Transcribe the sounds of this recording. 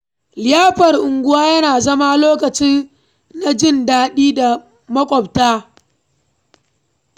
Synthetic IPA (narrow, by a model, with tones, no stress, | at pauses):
lɪ˨jaː˦ɸɐ˨rʔʊ˨ŋɡʷʊ˦waː˦jɐ˦naː˨zɐ˦ma˦loː˦kɐ˨t͡ʃɪ˦n | na˨d͡ʒɪ˦˨ndaː˦ɗiː˦da˨ | mɐ˦kʷʼɔ˨b̚taː˦